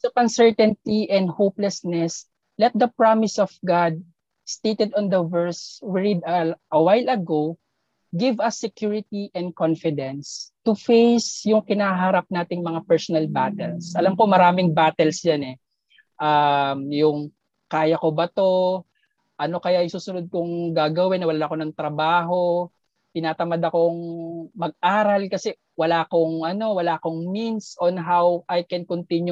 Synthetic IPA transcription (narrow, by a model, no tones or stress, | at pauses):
sɐʔɐnsɛɹt̪ɛnt̪iʔɛ̃nd̪̚howplɛsnɛs | lɛt̪̚d̪ɐpɹamɪsɔfɡad̪̚ | st̪ejt̪ɛd̪ɔnd̪ɐvɛɹswɪɹid̪ɐʔɐwajlɐɡow | ɡɪvɐsːɛkjuɹɪt̪iʔɛ̃nd̪̚kɔnfɪd̪ɛ̃nst̪ufejsjʊŋkɪnaɦaɾɐp̚naːt̪ɪŋmɐŋapɛɹsɔnɐlbat̪ɛlsʔɐlamko̞mɐɾaːmɪŋbaːt̪ɛlsjanɛ | ʔamjʊŋ | kaːjɐkobɐt̪o̞ | ʔɐno̞kɐjaʔjʊŋsuːsʊnod̪̚koŋɡaːɡɐwɪnɐwɐlaːnɐkonɐŋt̪ɾɐbaːɦo̞ | t̪ɪnaːt̪ɐmad̪ɐko̞ŋmɐɡ̚ʔaːɾɐlkɐsɛ | wɐlaːʔkoŋʔɐno̞wɐlaːʔkoŋminsʔonɦawʔajkɛnkont̪inju